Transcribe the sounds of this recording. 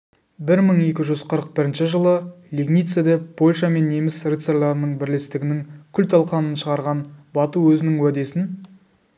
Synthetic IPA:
bɪɾməɴe̞kʲɪʒʏzqʰəɾəq̚bɪɾɪnʃɪʒəlˠəlʲiɡnijt̪sed̪epʰo̞lʲʃame̞nːe̞mɪsrit̪seɾlˠɑɾənəɴbɪɾle̞st̪ɪɡʲɪnɪŋkʲʰʏlt̪ʰɑlˠqɑnənʃəʁɑɾʁɑnbɑt̪uwɵzɪnɪŋwæd̪e̞sɪn

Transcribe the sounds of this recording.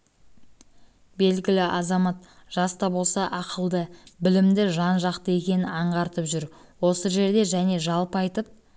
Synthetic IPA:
be̞lɡʲɪlɪʔɑzɑmɑt̪̚ʒ̥ɑst̪ɑbo̞lˠsɑʔɑqʰəlˠd̪əbɪlɪmd̪ɪʒɑnʒɑqt̪əe̞kʲe̞nɪɑɴʁɑɾt̪əpʒʏɾ | wo̞səʒe̞ɾd̪e̞ʒæne̞ʒɑlˠpɑjt̪əp̚

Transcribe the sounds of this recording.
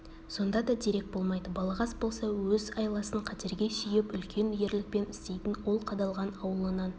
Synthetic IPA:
so̞nd̪ɑd̪ɑd̪eɾe̞k̚bo̞lˠmɑjd̪əbɑlˠɑʁɑsbo̞lˠsɑwɵzɑjlˠɑsəɴqʰɑt̪eɾɡʲe̞sʏjɪpʏlkʲʰe̞nje̞ɾlɪk̚pe̞nɪ̥st̪e̞jt̪ɪnwo̞lˠqʰɑd̪ɑlˠʁɑnɑwəlˠənɑn

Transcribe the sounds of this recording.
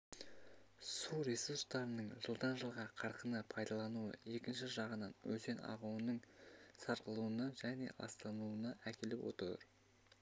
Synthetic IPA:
suɾesuɾst̪ɑɾənəɴʒəlˠd̪ɑnʒəlˠʁɑqʰɑɾqənəpʰɑjd̪ɑlˠɑnuə̰e̞kʲɪnʃɪʒɑʁənɑnwɵze̞nɑ̰ʁuwənəɴsɑɾqəlˠuənɑʒæne̞̰ʔɑ̰st̪ɑnuənɑʔækʲʰe̞lɪpwʔo̞̰t̪ɾɾ

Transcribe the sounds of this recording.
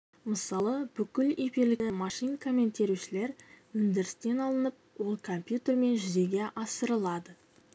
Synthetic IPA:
məsɑlˠəb̥ʏkʲɪlefiɾlɪɪmɑʂijnkʰo̞mʲːe̞nt̪e̞ɾuʃɪle̞ɾwɵnd̪ɪɾɪst̪e̞nɑlˠənəp̚wo̞lˠkʰompjut̪ʲe̞ɾme̞nʒʏze̞ɡʲe̞ʔɑsəɾəlˠɑd̪ə

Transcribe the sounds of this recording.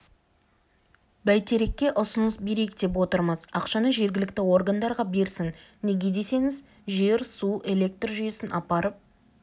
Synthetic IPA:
bæjt̪ʰe̞ɾe̞kʲːe̞ʔʊsʊnəsbe̞ɾe̞jɪk̚d̪e̞p̬wo̞t̪əɾməzɑ̰qʃɑnəʒe̞ɾɡʲɪlɪk̚t̪ɪwo̞rɡand̪ɑɾʁɑbe̞ɾsɪŋneɡʲe̞d̪e̞se̞ŋɪz | ʒe̞ɾsuʔe̞le̞k̚t̪rʒʏje̞sɪnʔɑpɑɾəp̚

